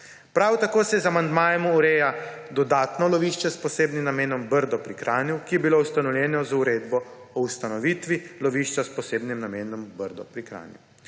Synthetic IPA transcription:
pɾawt̪akoːsɛjɛzamand̪maːjɛmuuɾejad̪ɔd̪aːt̪nɔlɔʋiʃt͡ʃɛspɔseːbnimnameːnɔmbəɾd̪ɔpɾikɾʔaːniwkijɛbiloust̪anɔwljɛːnɔzuɾeːd̪bɔ | ɔust̪anɔʋiːt̪ʋilɔʋiːʃt͡ʃaspɔseːbnimnameːnɔmbəɾd̪ɔ̰pɾikɾa̰ːnḭw

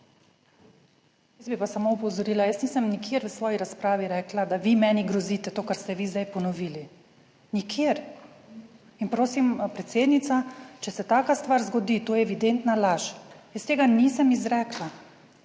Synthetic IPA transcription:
jizbipasamoupɔwzɔɾiːlajəsniːsəmnikʰjeːɾʋəsʋɔːjiɾaspɾaːʋiɾɛːklad̪aʋimɛːniɡɾɔziːt̪ɛt̪oːkaɾst̪ɛʋiːzd̪ajpɔnɔʋiːli | nikʰjeɾ | inpɾoːsimpɾɛt̪seːd̪nit̪sat͡ʃɛsɛt̪aːkast̪ʋaːɾzɡɔd̪it̪oːjɛɛʋid̪ent̪nalaʃjəst̪eːɡanisəmizɾɛːkla

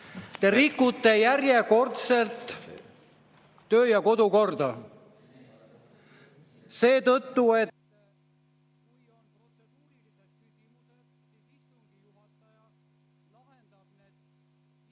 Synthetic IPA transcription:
t̪e̞ɾikːˑut̪ːe̞jæɾje̞ko̞rt̪se̞lt̪ | ø̞ːjɑko̞d̪uko̞rd̪ɑ | se̞ːt̪ɤt̪ːue̞ | lɑhend̪̥ɑ | e

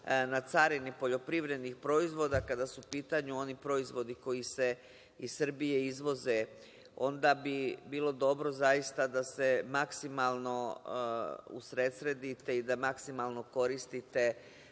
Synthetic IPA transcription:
nat̪saɾinipo̞ʎo̞pɾiʋɾe̞d̪nixpɾo̞izʋo̞d̪akad̪asuupiːt̪aɲuo̞nipɾo̞izʋo̞d̪iko̞jise̞ | issr̩bije̞izʋo̞ze̞ | o̞nd̪abibiːlˠo̞d̪o̞bɾo̞zajist̪ad̪ase̞maksimalˠno̞ | ṵsɾe̞t̪sɾe̞d̪it̪e̞id̪amaksimalˠno̞ko̞ɾist̪it̪e̞

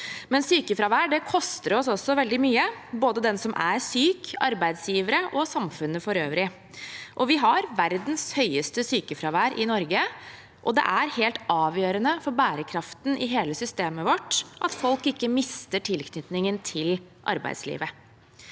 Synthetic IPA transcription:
mɛnsyːkəfɾɑʋæːɖɛkʰɔst̪əɾɔsɔsɔʋɛld̪ɪmyːəboːd̪əd̪ɛnsɔmʔæ̰ɾsyːkʰɑ̰ɾbæɪd̪sjiːʋəɾəʔɔsɑmfʉnːəfɔɾøːʋɾɪ | ʔɔʋɪɦɑɾʋæɾd̪n̩shœʏəst̪əsyːkəfɾɑʋæːɾʔɪnɔɾɡə | ʔɔd̪ɛ̰ʔæɾheːlt̪ɑːʋjøːɾənəfɔɾbæːɾəkʰɾɑft̪n̩ʔɪɦeːləsʏst̪eːməʋɔʈːʔɑt̪fɔlkɪkːəmɪst̪əʈʰɪlkʰnʏt̪nɪŋənt̪ʰɪlʔɑ̰ɾbæ̰ɪd̪slḭːʋə

